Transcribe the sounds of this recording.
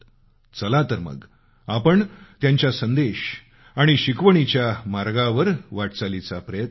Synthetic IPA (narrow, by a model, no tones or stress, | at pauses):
t͡səlat̪əɾmə̰ɡ | apəɳt̪jaɲt͡ɕjasənd̪eɕ | aɽ̃iɕikʋəɳ̃it͡ɕjamaɾɡaʋəɾʋaʈ̚t͡salit͡sapɾəjət̪